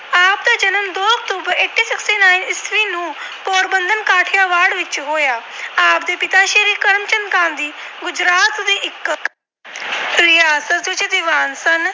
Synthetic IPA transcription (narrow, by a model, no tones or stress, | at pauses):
aːp̚d̪eːd͡ʒɐnəmd̪oːɐk̚t̪uːbəɾeːʈːiːsɪksʈiːnaːinɪsʋiːnũːpoːɾbənd̪ʱənkaːʈʰjaʋaːɽʋɪt͡ʃɦoːjaːaːpd̪eːpɪt̪aʃeːɾiːkəɾmt͡ʃənkãːnd̪iː | ɡʊd͡ʒɾaːt̪d̪iːʔɪkːk | ɾɪjaːsət̪ʋɪt͡ʃd̪iʋaːnsɐn